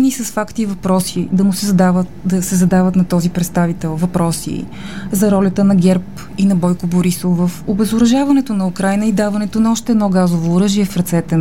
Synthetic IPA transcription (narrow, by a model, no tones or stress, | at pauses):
nisəsfakt̪ivɐpɾɔsid̪ɐmʊsd̪av | d̪ɐsɛzɐd̪avət̪nɐt̪ɔzipɾɛt̪st̪avit̪ɛlˠvɐpɾɔsḭ | zɐɾɔlʲət̪ənɐɡʲɛɾp | inɐbɔjkoboɾisovəfobɛzʊɾɐʒavɐnɛt̪onɐukɾajnəid̪avɐnɛt̪onɐɔʃt̪ɛːd̪nɔɡazovoːɾɤʒiɛfɾɐt̪sɛt̪ɛ